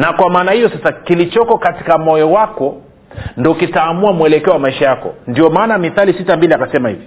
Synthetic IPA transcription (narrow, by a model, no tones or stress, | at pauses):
nakwamaːnahijɔsasakilit͡ʃɔkɔkati̥kamɔjɔwakɔ | ndɔkitaːmuamuɛlɛkɛɔwamaiʃajakɔ̰ndiɔmaːnamiθalisitambiliakasɛmahḭvi